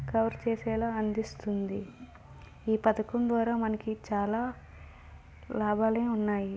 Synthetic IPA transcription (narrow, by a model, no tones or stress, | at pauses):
kɐʋɐɾt͡ʃeːsɛːlaːɐnd̪ist̪und̪i | iːpɐd̪ɐkɐmd̪ʋaːɾaːmɐnɐkit͡ʃaːlaː | laːbʱaːleːunːaːji